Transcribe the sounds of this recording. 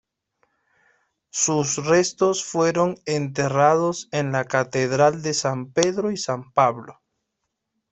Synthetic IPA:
susrest̪o̞sfwe̞ɾo̞ŋent̪̬erað̞o̞se̞nlakat̪eðɾald̪e̞sampe̞ðɾoisampaβlo

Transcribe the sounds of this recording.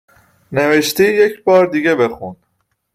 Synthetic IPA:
neveʃt̪iːjecʰbɒːɾd̪iːɡebe̞xun

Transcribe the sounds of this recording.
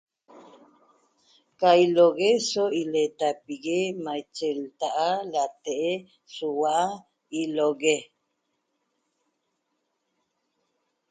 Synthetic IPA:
kailoɡesoilet̪apiɡemajt͡ʃelt̪aʔalat̪eʔe | suwaʔa | iloɡe

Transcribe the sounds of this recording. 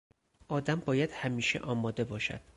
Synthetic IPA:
ʔɒːd̪æmbɒːjæd̪̥hæmiːʃḛʔɒːmɒːd̪e̞bɒːʃæ̰d̪̥̚

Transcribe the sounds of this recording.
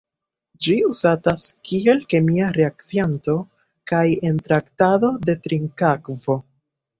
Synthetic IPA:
d͡ʒiuzataskie̞lke̞miaɾe̞ak̚t͡sianto̞ | kaje̞ntɾaktado̞de̞tɾiŋkakvo̞

